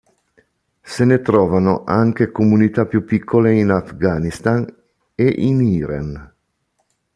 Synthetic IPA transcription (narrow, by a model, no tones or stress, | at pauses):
senet̪ɾɔːvanoʔaŋk̟ekomunit̪apjupːikʰːoleinafɡaːnist̪an | eʔiniːɾa̰n